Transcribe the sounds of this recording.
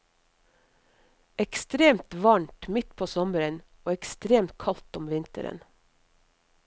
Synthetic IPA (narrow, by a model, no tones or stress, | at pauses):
ɛkst̪ɾeːmt̪ʋɑɳʈmɪt̪pʰoːsɔməɾən | oːɛkst̪ɾeːmt̪̚kʰɑlt̪ɔmʋɪnt̪ə̰ɾə̰n